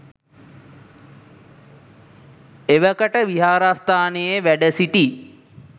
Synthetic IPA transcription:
eʋəkəʈəʋiɦaːɾast̪ʰaːnejeʋæɖəsiʈi

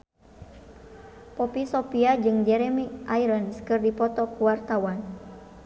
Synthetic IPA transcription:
pɔpisɔpiad͡ʒɨŋd͡ʒɛɾɛmiʔaiɾənskɨrdipɔt̪ɔkuwart̪awan

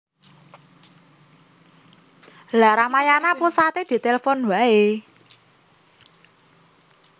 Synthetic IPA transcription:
laɾamajanaposat̪ed̪̥i̤t̪elefonwae

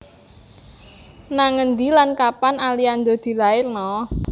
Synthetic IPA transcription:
naŋənd̪ilankapanaliand̪od̪̥i̤laɪrnɔ

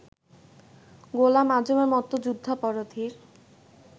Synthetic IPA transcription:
ɡolamadʱomeɾmɔt̪ːod͡ʑud̪ʱːapɔɾot̪ʰiɾ

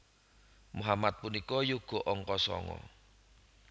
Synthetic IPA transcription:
muɦamat̪̚punikɔjuɡ̥o̤ʔɔŋkɔsɔ̰ŋɔ̰

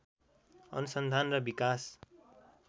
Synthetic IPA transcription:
ʌ̰nusʌnd̪ʱanrʌbikas

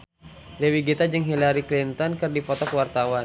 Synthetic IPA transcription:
lɛwiɡit̪ad͡ʒɨŋɦilaɾiklint̪ɔnkɨrdipɔt̪ɔkəwart̪awa

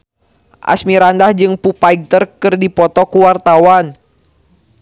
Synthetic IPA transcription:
ʔa̰smiɾandahd͡ʒɨŋpupaiɡ̚t̪ərkɨrdipɔt̪ɔkuwart̪awan

